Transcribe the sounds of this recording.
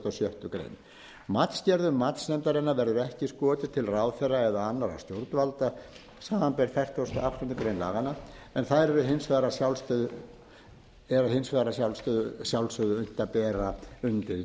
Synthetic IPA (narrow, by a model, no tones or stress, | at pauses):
t̪ɔsjœht̪ʏkɾḛjn | mat̪scɛɾðʏmːat̪snɛmt̪aɾɪnːavɛɾðʏɛhcɪskɔːt̪ɪt̪ʰɪlraːwθɛrːaɛðaanːaɾa̰wst̪jowɾt̪nvalt̪a | saːmanpɛɾ̥θɛr̥t̪ɔst̪ʏafst̪ʏnt̪ʏkɾejnla̰ːɣana | ɛnθaðɾɛɾʏɦɪnsvaðɾasjawlst̪œð | ɛɾaɦɪnsvaðɾas̬jawlst̪œðsjawlsœðʏœn̥t̪aðpɛːɾaʏnt̪ɪ